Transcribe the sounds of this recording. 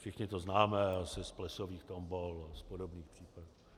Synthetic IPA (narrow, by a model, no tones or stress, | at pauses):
ʃɪxɲɪt̪oznaːmɛasɪsplɛsoviːxt̪ombolaspodobniːxpr̥iːpadu